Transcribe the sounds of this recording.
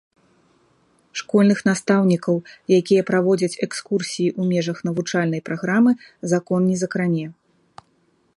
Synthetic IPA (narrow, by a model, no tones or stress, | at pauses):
ʂkɔlʲnɨxnast̪awnʲikɐwjakʲijɐpɾavɔd͡zʲɐt͡sʲɛkskursʲijiʔumʲɛʐɐxn̪ɐvut͡ʂalʲnɐjpɾaɣɾamɨ | zakɔnːʲɛzɐkɾanʲɛ